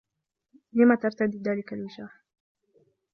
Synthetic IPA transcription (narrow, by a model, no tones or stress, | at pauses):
lɪmat̪aɾˤt̪ad̪id̪aːlɪkalwɪʃaːħ